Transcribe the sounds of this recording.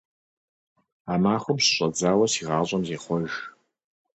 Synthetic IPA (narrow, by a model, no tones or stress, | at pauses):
aːmaːχʷʊpsɕʼɐd͡zaːwɐsiːʁɑːɕʼɐmzeːχʷɔʒ